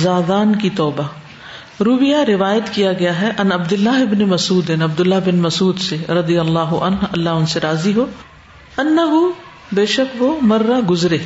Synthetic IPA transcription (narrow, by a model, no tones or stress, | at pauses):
zaːd̪aːnkit̪ɔːba | ɾuːbɪjaɾɪʋaːjət̪kijaɡɐjaɦɛʔɐnɐbd̪ʊlːaɦɪbnemɐsuːd̪ɪnɐb̚d̪ʊlːaɦbɪnmɐsuːd̪seɾɐd̪ijɐlːaːɦʊʔɐ̰nɦɐlːaʊnseɾaːziɦoː | ɐnːɐɦu | beːʃɐkʋomɐɾːaɡʊzɾeː